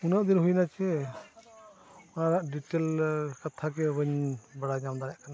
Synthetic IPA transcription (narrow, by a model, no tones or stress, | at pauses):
unaʔd̪inɦujnat͡ʃʰɛ | naɾaʔɖiʈelkat̪ʰakɛbəɲbaɽaɲamd̪aɾaʔkʰana